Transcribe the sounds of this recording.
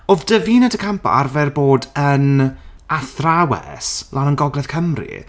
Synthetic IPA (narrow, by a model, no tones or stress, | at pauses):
oðd̥əviːnadəkʰampʰa̰rvɛrboːdən | aθrawɛ̰slˠʔanənɡɔɡlɛðkʰəmrḭ